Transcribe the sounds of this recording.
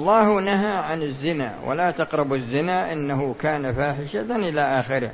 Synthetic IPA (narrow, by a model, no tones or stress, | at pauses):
ɑlˤːɑːhnaɦaʕanɪzːɪna̰wa̰laːt̪ɑqɾˤɑbazːɪnaːʔɪnːahʊkaːnafaːħɪʃaʔɪlaʔaːxɪɾɪ̰h